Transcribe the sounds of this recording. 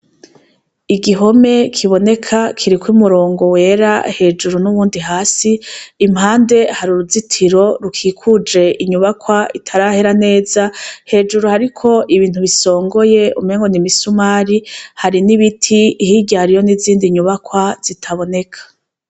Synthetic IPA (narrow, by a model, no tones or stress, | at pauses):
iɡiɦo̞me̞kʰiβo̞ne̞kʰakʰiɾikwumuɾo̞ːŋɡo̞we̞ːɾa̰he̞ːd͡ʒuɾunuβuːndiɦaːsiːmhaːnde̞haɾuɾuzitʰiɾo̞ɾukʰiːkʰud͡ʒe̞ʔiɲuβakwaitʰaɾaheɾane̞ːzahe̞ːd͡ʒuɾuhaɾikʰo̞ʔiβiːn̥huβiso̞ːŋɡo̞je̞ṵmeːŋɡo̞nimisumaːɾihaɾiniβitʰihiɟaɾijo̞niziːndiɲuβakwaz̥itʰaβo̞ne̞kʰḁ